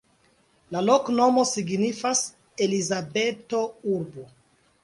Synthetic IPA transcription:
lalo̞kno̞mo̞siɡnifas | elizabe̞to̞uɾbo

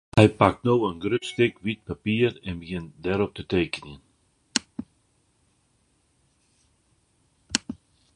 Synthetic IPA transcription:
hɛjpak̚tnowənɡɾʏtst̪ɪkʋit̚papiːəɾɛnbəjɪnd̪ɛɾɔp̚t̪ətejkənən

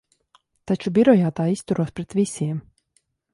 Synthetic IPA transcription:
t̪at͡ʃubiɾɔjaːt̪aːist̪uɾuɔspɾɛt̪visʲiɛm

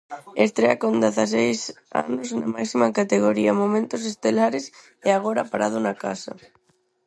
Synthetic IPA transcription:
est̪ɾeakõnd̪eθas̬ejs | a̰nozna̰maksimakat̪eɣ̞oɾiamomẽnt̪os̬est̪elaɾes | eaɣ̞oɾapaɾað̞ʊnakasa̰

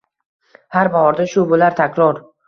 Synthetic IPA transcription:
haɾbahɒɾd̪aʃʊbolaɾt̪ʰakʲɾɒɾ

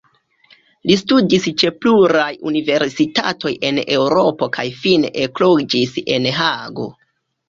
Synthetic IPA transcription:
listudist͡ʃe̞pluɾajṵnive̞ɾsita̰to̞je̞ne̞wɾo̞po̞kʰajfineʔeklod͡ʒise̞̰nɦaɡo̞̰

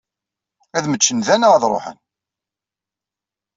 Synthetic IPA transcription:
æðmət͡ʃːənðænəʁðɾˤo̰ħə̰n

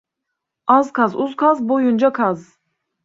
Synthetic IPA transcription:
azkʰazuzkʰazbojund͡ʒakʰaz

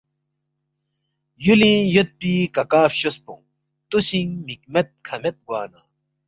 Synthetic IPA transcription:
julĩːjot̪̚piːkɐkaːfɕospõ̰ŋ | t̪usĩŋmik̚met̪̚kʰɐmet̪̚ɡwaːna̰

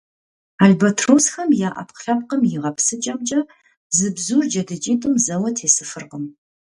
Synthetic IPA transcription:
aːɮbɐtʰroːsxɐmjaːʔɐ̰pqɬɐp̚qəmjɪʁɐpsɨt͡ʃʼɐmt͡ʃʼɐ | zɨbzuːrd͡ʒɐdɨt͡ʃʼiːtʼɨmzɐwɐtʰeːsɨfɨrqəm

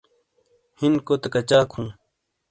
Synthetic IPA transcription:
hinkoːt̪ɐkɐt͡ɕaːkʰũː

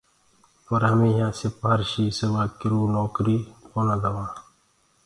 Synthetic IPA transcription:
pəɾɦəmĩːɦãːseːpaɾʃiːsəʋaːkɪɾuːnoːkɾiːponãːd̪əʋãː

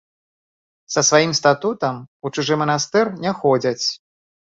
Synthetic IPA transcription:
sɐsvajimst̪at̪ut̪ɐmut͡ʂɨʐɨmɐnast̪ɛrnʲɛxɔd͡zʲɐt͡sʲ

